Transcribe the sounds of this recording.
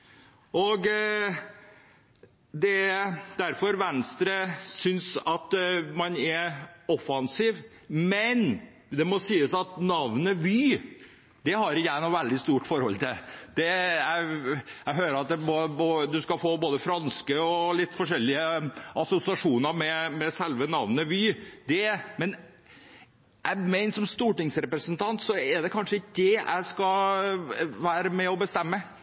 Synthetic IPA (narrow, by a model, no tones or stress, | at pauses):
ɔɡ | d̪ɛd̪æɾfɔɾʋɛnst̪ɾəsʏnsɑt̪mɑnɛɾɔfɑnsiːʋ | mɛn | d̪ɛmɔsiːəsɑt̪nɑʋnəʋyː | d̪̥ɛhɑɾɪæɪnɔʋæld̪ɪst̪uːʈfɔɾhɔ̰lt̪ʰɪld̪̥ɛjæɪæɦøːɾəɾɑt̪̚d̪ɛbɔbod̪ʉskɑfoːboːd̪əfɾɑnskəɔlɪt̪ːfɔʂɛlːɪəɑsʊsɪɑʂuːnəɾmɛmɛsɛlʋənɑʋnəʋyːd̪ɛmɛn | æɪmæɪnʂɔmst̪uːʈɪŋsɾɛpɾəsənt̪ʰɑnt̪sɔɛɖɛkʰɑnʂəɪkːd̪ɛæ̰ɪskɑ | ʋæːɾəmɛɔbəst̪ɛmːə